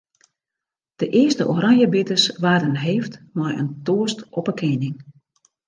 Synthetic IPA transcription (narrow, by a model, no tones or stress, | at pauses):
d̥əʔɪəstəʔoɾaŋjəbɪtəsʋaːdənɦeːftmɔjə̰ntoəstɔpəkʰɪnɪŋ